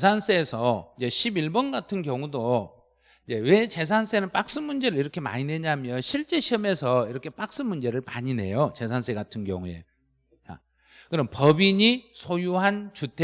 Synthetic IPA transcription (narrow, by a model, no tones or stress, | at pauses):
esʰans͈ʰe̞ːsʰʌid͡ʑe̞ɕʰibiɭbʌnɡatʰɯnkjʌŋudo | id͡ʑe̞we̞t͡ɕe̞s̬ʰans͈ʰe̞nɯnp͈ak̚s͈ɯnmund͡ʑe̞ɾɯɭiɾʌkʰe̞ma̰ɲine̞ɲamjʌnɕʰiɭt͡ɕ͈e̞ɕʰiʌme̞sʰʌiɾʌkʰe̞p͈ak̚s͈ɯnmund͡ʑe̞ɾɯɭma̰ɲine̞̰jot͡ɕe̞s̬ʰansʰe̞ɡatʰɯnɡjʌ̰ŋue̞̰ | t͡ɕa̰ | kɯɾʌmnpʌbiɲisʰojuɦant͡ɕutʰe